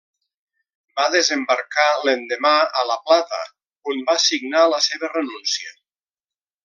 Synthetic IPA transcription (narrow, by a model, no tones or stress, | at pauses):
baðezembaɾkalend̪emaələplat̪ə̰ | umbasiɡnaləseβərenunsiə